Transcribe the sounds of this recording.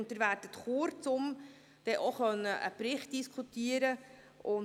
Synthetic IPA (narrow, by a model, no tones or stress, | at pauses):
ntəɾʋæːdət̪χoɾt͡sʊm | d̥ɛʔoχœnːəʔə̰pɾɪχt̚d̥iskʰutiːəɾə | ʊn